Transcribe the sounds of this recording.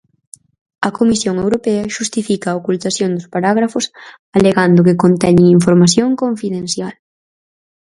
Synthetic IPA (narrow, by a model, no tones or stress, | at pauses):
ɐkomisjoŋewɾopɛɐʃust̪ifikɐːokult̪asjond̪ʊspaɾaɣ̞ɾafʊs | aleɣand̪ʊkɪkont̪ɛɲɪŋiɱfoɾmaθjoŋkoɱfiðẽnθjal